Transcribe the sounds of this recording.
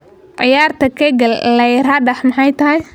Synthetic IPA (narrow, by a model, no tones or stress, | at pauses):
ʕɪjaːrt̪ʰɐkʰɛɡɐllɐjrɐɖɐħmɑħɑjt̪ʰɐɦɛj